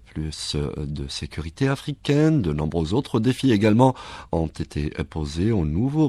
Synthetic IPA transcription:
plysd̪əsekʲyʁit̪eafχikʲɛnd̪ənɔ̃bʁøzot̪χəd̪efieɡalmɑ̃ɔ̃t̪et̪ʰḛpozeonuvo

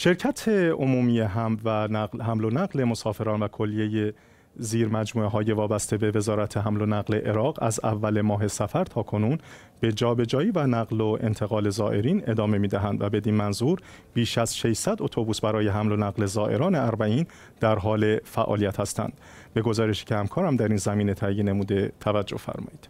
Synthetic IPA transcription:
ʃe̞ɾcʰæt̪ʰe̞omuːmijeɦæmvænæhæmlo̞næɣle̞mo̞sɒːfe̞ɾɒːnvækʰo̞lːije̞je | ziːɾmæd͡ʒmuːeɦɒːje̞vɒːbæst̪e̞be̞ve̞zɒːɾæt̪ʰe̞ɦæmlo̞næɣleʔeɾɒːɣæ̰zæ̰vːæle̞mɒːɦe̞sæfæɾt̪ʰɒːkʰo̞nuːn | b̥e̞d͡ʒɒːbe̞d͡ʒɒːjiːvænæɣlo̞e̞̰nt̪ʰe̞ɣɒːle̞zɒːʔe̞ɾiːne̞d̪ɒːme̞miːd̪æɦænd̪væbe̞d̪iːnmænzuːɾ | b̥iːʃæz̥ʃeʃsæd̪o̞t̪ʰobuːsbæɾɒːje̞ɦæmlo̞næɣle̞zɒːʔe̞ɾɒːne̞æɾbæiːn | d̪̥æɾɦɒːle̞fæʔɒ̰ːlijæt̪hæst̪æ̰nd̪̥ | be̞ɡo̞zɒːɾe̞ʃi̥ːcʰehæmkʰɒːɾæmd̪æɾiːnzæmiːne̞t̪ʰæjene̞muːd̪e̞t̪ʰævæd͡ʒːo̞hfæ̰ɾmɒ̰ːjiːd̪̥

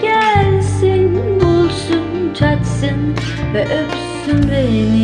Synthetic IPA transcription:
ɡ̥ælsenbolˠsunt͡ʃʰat̪sɯn | vɛʔøp | synveni

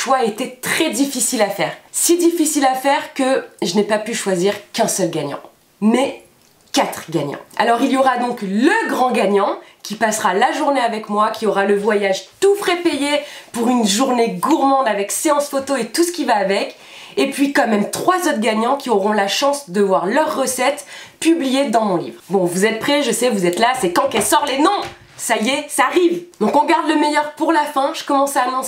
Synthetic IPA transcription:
ʃwaet̪ɛt̪χɛd̪ifisilafɛːʁsid̪ifisilafɛʁkəʒənɛpapyʃwaziʁkɛ̃sœlɡaɲɑ̰̃ | mɛ | kat̪χɡaɲɑ̰̃a̰lɔʁiljɔʁad̪ɔ̃kləɡʁɑ̃ɡaɲɑ̃kʲipasʁalaʒuʁneavɛkmwakʲiɔʁaləvwajaʒt̪ufχɛpejepuʁynʒuʁneɡuʁmɑ̃d̪avɛkseɑ̃sfot̪oet̪usə̥kʲivaːvɛk | epɥikɑ̃mɛmt̪χwazot̪χɡaɲɑ̃kʲiɔʁɔ̃laʃɑ̃sd̪əvwaʁlœʁːəsɛt̪pyblijed̪ɑ̃mɔ̃lḭvʁbɔ̃vuzɛt̪̚pχɛʒəsɛvuzɛt̪lasɛkɑ̃kɛlsɔʁlenɔ̃ | sajesaːʁivd̪̥ɔ̃kɔ̃ɡaʁd̪ləmɛjœʁpuʁlafɛ̃ʒ̥əkɔmɑ̃saːnɔ̃

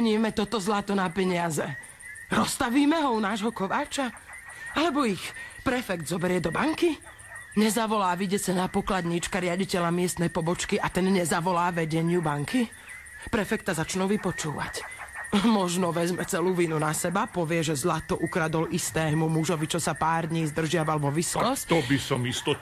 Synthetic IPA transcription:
ɲiːmɛt̪ɔt̪ɔzlat̪ɔnapɛɲɪazɛ | ɾɔst̪aʋiːmɛɦɔunaːʒɦɔkɔʋaːt͡ʃa | alɛbɔixpɾɛfɛkd̪zɔbɛɾɪɛd̪ɔbaŋki | ɲɛzaʋɔlaːʋiɟɛsɛnapɔklad̪ɲit͡ʃkaɾɪaɟicɛʎamɪɛst̪nɛjpɔbɔt͡ʃkiʔat̪ɛnɲɛzaʋɔlaːʋɛɟɛɲɪubaŋkʰi | pɾɛfɛk̚t̪ːazat͡ʃnuːʋipɔt͡ʃuːʋa̰c | mɔʒnɔʋɛzmɛt͡sɛluːʋinunasɛbapɔʋɪɛʒɛzlat̪ɔʔukɾad̪ɔlist̪ɛːmumuʒɔʋit͡ʃɔsapaːɾd̪ɲiːzd̪r̩ʒɪaʋalʋɔʋiskɔst̪ɔbisɔmist̪ɔ

